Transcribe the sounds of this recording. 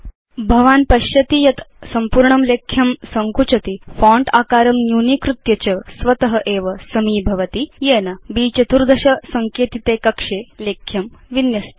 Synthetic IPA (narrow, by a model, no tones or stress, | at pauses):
bʱɐʋaːnpɐɕjɐt̪ijɐt̪sɐmpuːɾɳɐmlekʰjɐmsɐŋkut͡ɕɐt̪ifɔ̃ːɳʈaːkaːɾɐmnjuːnikɾut̪jɐt͡ɕɐsʋɐt̪ɐɦɐʔeːʋɐsɐmiːbʱɐʋɐt̪ijeːnɐbiːt͡ʃɐt̪uɾd̪ʱɐɕɐsɐŋkeːt̪it̪eːkɐkʂeːleːkʰjɐmʋinjɐst̪